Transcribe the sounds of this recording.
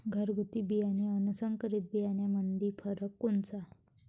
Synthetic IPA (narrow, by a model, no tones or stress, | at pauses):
ɡʱəɾɡʱut̪ibijanjaənusəŋkəɾit̪̚bijanjamənd̪ʱiːfʰəɾəkːunt͡sa